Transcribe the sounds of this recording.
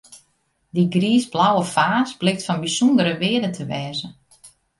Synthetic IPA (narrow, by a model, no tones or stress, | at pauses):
diɡriːzblawəfaːsblɪxtfɔnbisundəɾəʋɪːədətʰəʋɛːzə